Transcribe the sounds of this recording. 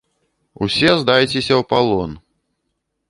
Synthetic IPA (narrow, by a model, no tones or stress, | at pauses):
usʲɛzd̪ajt͡sʲesʲɐwpalˠɔn